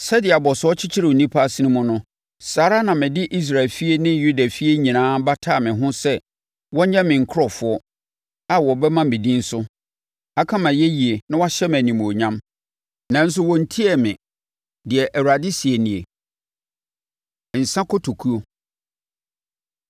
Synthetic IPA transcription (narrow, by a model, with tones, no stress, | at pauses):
sɛ˦dɪ˨a˨bɔ˨sɔ˦t͡ɕʰɪ˦t͡ɕʰɪ˦ɾɪ˨u˨nĩ˦pʰa˦a˨si˦nũ˦mʊ̃˦nʊ̃˦ | saː˨ɾa˦nã˨mɪ̃˨dɪ˦ʔi˦s̬ɾa˨ɪ˨lfi˦e˦nɪ̃˦ju˦da˨fi˦e˦ɲĩ˨nãː˦ba˦tʰaː˦˨mɪ̃˨ɦʊ̃˦sɛ˦ | wɔ̃˦ɲɛ̃˦mɪ̃˨ŋ̩˨kʰɾɔ˨fʊ˨˦ɔ˦ | a˦wɔ˨bɛ˦mã˦mĩ˨dĩ˦n̩˦sʊ˦ | a˦kʰã˦mã˨jɛ˦ji˨e˨nã˦wa˦ɕɛ˦mæ̃˨nĩ˨m̃˨o˨ɲã˦m | nã˨n̩˦s̬ʊ˦wɔ̃˨n̩˦tʰi˦ɛ˨mɪ̃˨ | dɪ˨ɛ˨ʔæ˨wu˨ɾa˨dɪ˦si˨e˨nĩ˨e˨ | n̩˨sã˦kʰɔ˦tʰo˨kʰu˦o˦